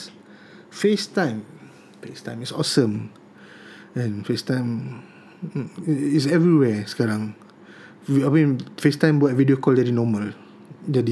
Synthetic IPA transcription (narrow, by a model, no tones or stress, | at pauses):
festãj̃m | festãj̃misɔsə̃m | ɛ̃nfestãj̃m | isɛvɹiwɛskaɾãŋ | amĩnfestãɪ̃mbuɛvidiokɔldɛdinɔməl | dədi